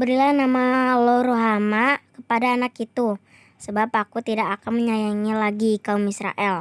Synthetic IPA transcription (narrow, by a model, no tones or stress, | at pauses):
bəɾilanamaloɾoɦamakəpadaːnakit̪u | səbapakut̪idakakanməɲajaŋilaɡikaumisɾa̰ʔɛl